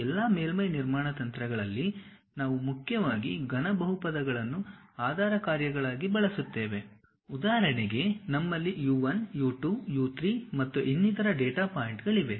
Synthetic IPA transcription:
ɛlːaːmeːlmɐjniɾmaːɳɐt̪ɐnt̪ɾɐɡɐɭɐlːi | naːʋumukʰjɐʋaːɡiɡɐnɐbɐɦupɐd̪ɐɡɐɭɐnːuaːd̪ʱaːɾɐkaːɾjɐɡɐɭaːɡibɐɭɐsut̪ːe̞ːʋe | ud̪aːɦɐɾɐɳeɡe̞nɐmːɐlːijuːʋɐnjuːʈuːjuːt̪ɾimɐt̪ːuʔinːit̪ɐɾɐɖeːʈaːpaːjiɳʈɡɐɭiʋe̞

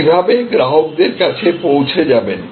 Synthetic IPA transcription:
ibʱabeɡɾaɦok̚d̪eɾkat͡ɕʰepowt͡ɕʰed͡ʑaben

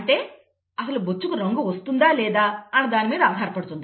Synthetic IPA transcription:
ɐɳʈe̞ː | ɐsɐlubot͡ʃːukuɾɐŋɡuʋɐst̪und̪aːlɛːd̪aːɐnɐd̪aːnimiːd̪ɐaːɦaːɾɐpɐɽut̪und̪i

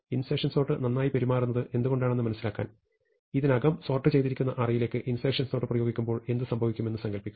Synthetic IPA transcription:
insekʂɐnsno̞ːʈːɨnɐnːaːjipeɾimaːrunːɐðɨʔe̞nd̪uɣo̞ɳɖaːɳenːɨmɐnɐsːilaːkːa̰ːn | iðinɐɡɐmso̞ːrʈːɨt͡ɕe̞jd̪iɾikʲːunːɐʔɐrɐjile̞ːkːɨʔinseːkʂɐnsno̞ːʈːɨprɐjo̞ːɡikʲːumbo̞ːɭe̞nd̪ɨsɐmbʱɐʋikʲːume̞nːɨsɐŋɡɐlpikʲːum

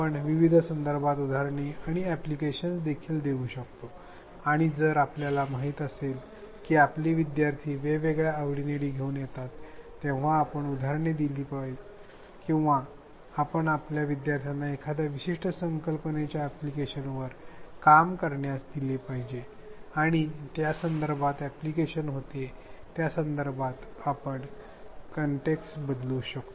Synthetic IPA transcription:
pəɳʋiʋid̪ʱəsənd̪əɾbat̪ud̪ʱaɾɳiaɽ̃iæplikeɕənsd̪ekʰiːld̪eũːɕəkt̪o | aɽ̃id͡zəɾapljalamaɦiːt̪əsel | kiːapliːʋid̪jaɾt̪ʰiːʋeʋeɡɭjaəʋɽineɽiːɡʱeuːnjet̪at̪ː | ẽʋ̤aːpəɳud̪ʱaɾɳid̪iliːpi | kĩw̃ʋaː | pəɳapljaʋid̪jaɾt̪ʰjanːaekʰad̪aʋiɕiʂʈəsəŋkəlpənet͡ɕjaːplikeɕənʋəɾkamkəɾɳjasd̪ilepaɦid͡ʑe | aɽ̃it̪jasənd̪əɾbʱat̪ɛplikeɕənɦot̪et̪jasənd̪əɾbʱat̪apəɳ | kəɳʈeksbəd̪luːɕəkt̪o

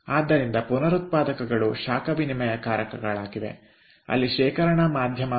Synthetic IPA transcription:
aːd̪ːɐɾind̪ɐpunɐɾut̪̚paːd̪ɐkɐɡɐɭuʃaːkɐʋinimɐjɐkaːɾɐkɐɡɐɭaːɡiʋḛ | ɐ̰lːiʃɛːkɐɾɐɳɐmaːd̪ʱjɐmɐ

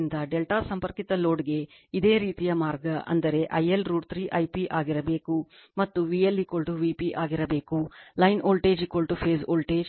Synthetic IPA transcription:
nd̪ɐɖelʈaːsɐmpɐɾkit̪ɐlo̞ːɖɡe̞id̪e̞ːɾiːt̪ijɐmaːɾɡɐʔɐ̰nd̪ɐɾe̞ʔɐjelɾuːʈt̪ɾiːʔɐjpiʔaːɡiɾɐbe̞ːkumɐt̪ːuʋijɐlːikoɭʈuʋipiʔaːɡiɾɐbe̞ːkulɐjnoːlʈe̞ːd͡ʒikoɭʈupʰe̞ːzoːlʈe̞ːd͡ʒ

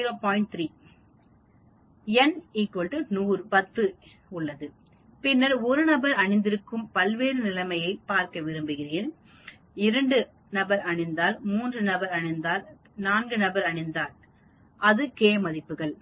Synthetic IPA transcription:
ɾoːpoːɪɳʈ̚t̪ɾiː | ɛniːkːolʈɯnuːɾpɐt̪ːɯ | ʊɭːɐðɯ | pɪnːɐɾɔɾɯnɐbɐɾɐɳɪnd̪ɪɾɯkːɯmpɐlʋeːɾɯnɪlɐmɐjɐɪpːaːɾkɐʋɪɾɯmbɯɣɪreːn | ɪɾɐɳɖɯ | nɐbɐɾɐɳɪnd̪aːlmuːndrɯnɐbɐɾɐɳɪnd̪aːl | naːnɡɯnɐbɐɾɐɳɪnd̪aːl | ʔɐðɯkeːmɐðɪpːɯɣɐɭ

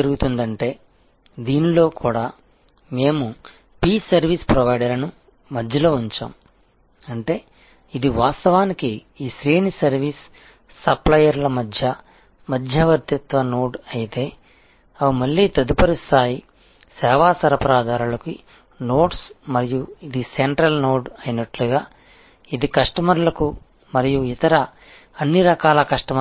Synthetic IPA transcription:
ɐɾuɡut̪und̪ɐɳʈe̞ː | d̪iːnilo̞ːkʰuːɽaː | me̞ːmu | piːsɐɾʋiːspɾɐʋɐjɖɐɾɐnu | mɐd̪ʱjɐlo̞ːuɲt͡ʃa̰ːm | ɐɳʈe̞ː | id̪iʋaːst̪ɐʋaːniki | iːsɾiːnsɐɾʋiːsː | ɐplɐjɐɾlɐmɐd̪ʱjɐ | mɐd̪ʱjɐʋɐɾt̪jɐt̪ʋɐnoːɖɐjit̪e̞ː | ɐʋimɐɭːiːt̪ɐd̪upɐɾist̪aːji | sɛːʋaːsɐɾɐpɐɾaːd̪ʱaːɾulɐki | no̞ːʈsmɐɾijuid̪iseɳʈɾɐlnoːɖɐjnɐʈluɡaː | id̪ikɐʂʈɐmɐɾlɐku | mɐɾijuit̪ɐɾɐ | ɐnːiɾɐkaːlɐkɐʂʈɐmɐ

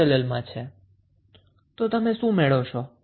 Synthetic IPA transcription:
eləlmãt͡ʃʰe | t̪ot̪əmeʃũmɛɭot͡ʃʰo

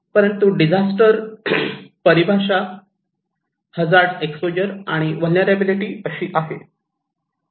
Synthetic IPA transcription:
pəɾənt̪uɖid͡zasʈəɾ | pəɾibʱaɕa | həd͡zaɾɖekspod͡ʑəɾaɽ̃iʋəlnəɾabiliʈiːəɕiːʔaɦe

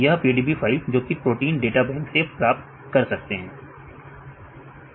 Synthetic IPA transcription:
jɐɦpiːɖiːbifʰaːɪld͡ʒoːkipɾoːʈiːnɖeːʈabɛ̃ːnsepɾaːp̚t̪̚ | kɐɾsɐk̚t̪eɦɛ̃ː

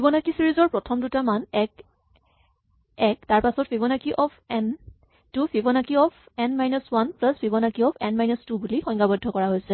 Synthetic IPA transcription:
pʰibɔnakisiɹizɔɹpɹɔtʰɔmdutamanɛk | ɛk̚taɹpasɔt̚bʰʱibɔnakiʔɔpʰɛn | tupʰibɔnakiɔpʰɛnmajnɔswanplaspʰibɔnakiɔpʰɛnmajnɔstubulixɔjŋɡabɔdʱːɔkɔɹaɦojsɛ

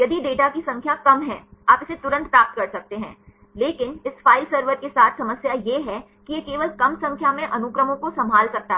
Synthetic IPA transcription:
jɐd̪iɖeːʈakisɐ̃ŋkʰjakɐmɦɛ̃ːaːpɪset̪ʊɾə̃nt̪pɾaːp̚t̪kɐɾsɐk̚t̪eɦɛ̰̃ː | leːkɪnɪsfaːɪlsɐɾʋəɾkesaːt̪ʰsɐməsjajeɦɛ | kijekeːʋəlkɐmsɐ̃ŋkʰjamẽʔɐnʊkɾəmõkosɐ̃mbʱaːlsɐk̚t̪aɦ

